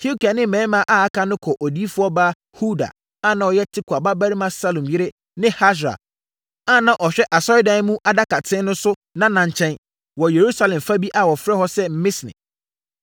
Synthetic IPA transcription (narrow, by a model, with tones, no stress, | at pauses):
hi˦u˦ki˨a˨nɪ̃˦˨mɛ̃˨˦mã˦ʔa˦a˦kʰa˦nʊ̃˦kʰɔ˨ʔɔ˨di˦fʊ˦ɔ˦baː˦ | hu˦da̰˨ | a˦nã˨ɔ˨jɛ˦tʰɪ˦kʰu˨a˨ba˦bæ˦ɾi˦mã˦sa˦lõ˨mjɪ˦ɾɪ˦ | nɪ̃˦ha˦ʃ̬ɾa̰˨ | a˦nã˨ʔɔ˨ɕᶣɛ˦ʔa˨sɔ˦ɪ˦dã˦mũ˦ʔa˨da˦kʰa˨tʰɪ̃˦n˦nʊ̃˦sʊ˦nã˦nã˨ɲ˨t͡ɕʰɛ̃˦n | wɔ˨je˨ɾu˦sa˦lɛ̃˨mfa˦bi˦ʔa˦wɔ˨fɾɛ˦hɔ˦sɛ˦m̩˦mɪ̃˦snɪ̰̃˨